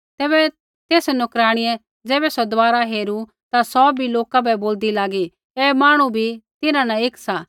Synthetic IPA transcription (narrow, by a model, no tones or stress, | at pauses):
t̪ɛːbɛ | t̪eːsnʊkɾaːɽ̃ɪjɛ | d͡zɛːbɛsɔd̪ʋaːɾaɦeːɾu | t̪asɔbʱiloːkabɛboːld̪ilaːɡi | ɛːmaːɽ̃ubʱit̪ɪnãnaɪksa